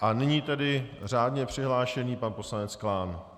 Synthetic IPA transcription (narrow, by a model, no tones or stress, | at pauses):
ʔanɪɲiːt̪ɛdɪr̝aːdɲɛpr̝̥ɪɦlaːʃɛniːpanpo̞slanɛt͡sklaːn